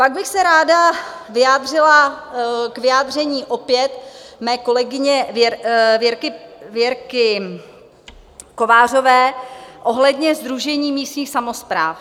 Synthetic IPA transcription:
paɡ̚bɪxsɛɾaːdavɪjaːd̪r̝ɪla | kvɪjaːd̪r̝ɛɲiːʔo̞pjɛt̪mɛːko̞lɛɡɪɲɛvɛvjɛɾkɪvjɛɾkɪ | ko̞vaːr̝o̞vɛːʔo̞ɦlɛdɲɛzd̪ɾuʒɛɲiːmiːst̪ɲiːxsamospɾaːf

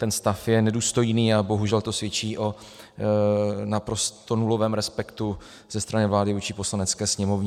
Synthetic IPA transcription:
t̪ɛnst̪afjɛnɛduːst̪o̞jniːabo̞ɦuʒɛlt̪o̞svjɛt͡ʃiːʔo̞ | napɾo̞st̪o̞nulo̞vɛːmɾɛspɛkt̪u | z̥ɛst̪ɾanɪvlaːlɪvuːt͡ʃɪpo̞slanɛt͡skɛːsɲɛmo̞vɲɛ

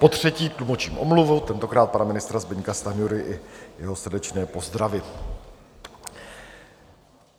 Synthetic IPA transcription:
po̞t̪r̝̥ɛciːk̪lumo̞t͡ʃiːmʔomluvowt̪ɛnt̪o̞kɾaːt̪̚panamɪnɪst̪ɾazbɪɲkast̪anɪjuɾɪʔɪjɛɦo̞sr̩dɛt͡ʃnɛːpo̞zd̪ɾavɪ

